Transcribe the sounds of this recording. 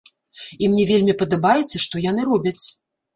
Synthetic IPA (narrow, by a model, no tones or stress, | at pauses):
imnʲɛvʲelʲmʲipɐd̪abajɛt̪sːɐʂt̪ɔjan̪ɨɾɔbʲɐt͡sʲ